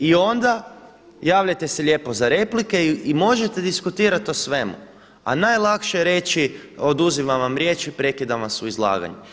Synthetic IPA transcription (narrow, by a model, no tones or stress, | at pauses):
io̞nd̪a | jaːʋʎʲajt̪e̞seʎe̞ːpo̞zaɾe̞plike̞imo̞ʒe̞t̪e̞d̪iskut̪iːɾat̪o̞sʋe̞mṵ | a̰najlˠakʃeɾe̞t͡ʃio̞d̪uziʋaʋamɾʲje̞ːt͡ʃipɾe̞kid̪aʋamsuizlˠa̰ːɡa̰ɲu